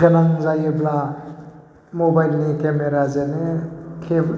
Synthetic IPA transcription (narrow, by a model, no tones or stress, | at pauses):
ɡənaŋzajɯbla | mobajlnikemeɾazenekʰe